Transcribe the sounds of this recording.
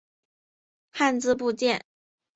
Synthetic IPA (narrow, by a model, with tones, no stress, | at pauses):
xa˥˧nt͡sɹ̩˥˧p̬u˥˧t͡ɕjɛ˥˩n